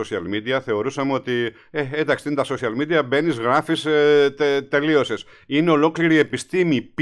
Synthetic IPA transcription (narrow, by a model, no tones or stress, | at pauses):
osiɐ̰lmid̪iɐθe̞o̞ɾusɐmeo̞t̪i | eed̪ɐkst̪int̪ɐso̞siɐlmid̪iɐbe̞nizɣɾɐfiset̪e̞lio̞ses | ine̞o̞lo̞kliɾie̞pist̪imip